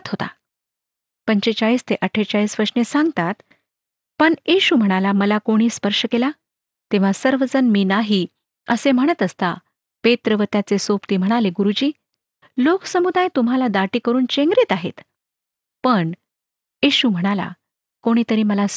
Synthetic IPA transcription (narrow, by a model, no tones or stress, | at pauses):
t̪ɦot̪a̰ | pəɲt͡ɕet͡ɕaiːst̪eʔəʈʰːet͡ɕaɭiːsʋəɾʂnesãŋɡt̪at̪ | pəɳjiɕum̤əɽ̃alaməlakoɽ̃iːspəɾʂəkela | t̪eʋ̤asəɾʋəd͡zənmiːnaɦiː | əsem̤əɽ̃ət̪əst̪a | pet̪ɾəʋət̪jat͡sesopt̪iːm̤əɽ̃aleɡuɾud͡ʑiː | loksəmud̪ʱajt̪um̤alad̪aʈiːkəɾuːnt͡ɕeŋɡɾiːt̪aɦḛt̪ | pəɳ | jiɕum̤əɽ̃ala̰ | koɽ̃iːt̪əɾiːməla